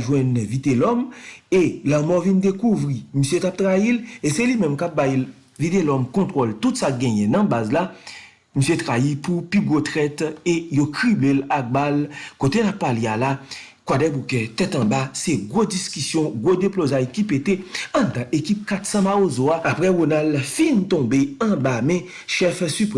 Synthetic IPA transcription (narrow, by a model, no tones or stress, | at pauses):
ʒwɛ̃nvit̪elɔmelamɔvindekuvɣimisjøkap̚t̪ʁailesɛlimɛ̃mkap̚bajl | vit̪elɔmkɔ̃t̪ʁoltutsak̚ɡɛ̃jɛ̃nɐ̃bazla | misjetʁaipupiɡot̪ʁɛtejokʁiblelak̚balkot̪enapːalealakwadɛbukɛt̪ɛtɐ̃baseɡodiskysjɔ̃ɡwodeplozajkipeteɐ̃d̪ãʔekip̚kat̪sãmaozoaapʁɛʁonaldfĩnt̪ɔ̃beɐ̃bamɛ̃ | ʃɛfsypɛ